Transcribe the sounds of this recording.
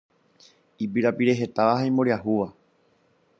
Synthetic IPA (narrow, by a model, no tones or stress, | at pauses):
ipiɾapiɾe̞ɦe̞t̪aʋaɦaĩmoɾiahuʋa